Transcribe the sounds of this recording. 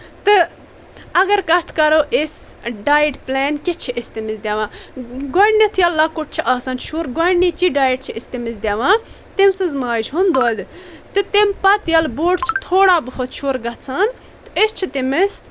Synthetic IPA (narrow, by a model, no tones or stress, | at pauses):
t̪ɨ | ɐɡɐɾkɐt̪ʰkɐɾoːʔesɖaːjʈpleːnkit͡ʃʰiʔɪst̪imizd̪ʲjaːʋãːɡɐɳnit̪ʰjɐlːɐkuʈ̚t͡ʃʰiʔaːsaːnt͡ʃʰuːɾɡɐɳːit͡ʃiɖaːjʈ̚t͡ʃʰiɪst̪imizd̪ʲjaːʋãː | t̪imsɨzmaːd͡ʒɦund̪oːd̪t̪ɨt̪impɐt̪jɐlboːɖt͡ʃʰi̥t̪ʰoːɽaːbɨfʰɐt̪t͡ʃʰuɾɡɐt͡sʰaːn | t̪ɨɪst͡ʃʰit̪imis